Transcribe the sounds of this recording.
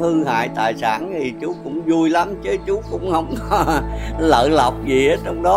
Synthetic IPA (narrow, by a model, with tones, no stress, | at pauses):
hɨ˧ha̰ː˧˨jt̪a̰ː˧˨jsaː˧˩nt̪ʰi˨˩t͡ɕu˨˦kʊ̰˧˥ŋ͡mzu˧jla˨˦mt͡ɕə˨˦t͡ɕu˨˦kʊ̰˧˥ŋ͡mhə˧wŋ͡m | lə̰ː˧˨la˨˩wk͡p̚zi˨˩˨t͡ɕɔ˧wŋ͡mɗɔ˨˦